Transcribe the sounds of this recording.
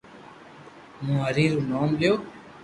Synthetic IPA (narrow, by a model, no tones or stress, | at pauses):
mũːəɾiːɾuːnoːmbjoː